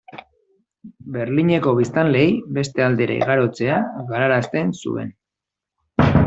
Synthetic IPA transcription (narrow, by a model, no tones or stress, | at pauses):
be̞ɾliɲe̞ko̞βist̪anle̞jbe̞st̪e̞ald̪e̞ɾʔa̰ḭɣaɾo̞t͡se̞aɣaɾaɾast̪e̞nsṵḛn